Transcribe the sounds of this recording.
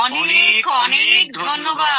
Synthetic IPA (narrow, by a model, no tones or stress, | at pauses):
ɔnekkɔnek̚d̪ʱonːoba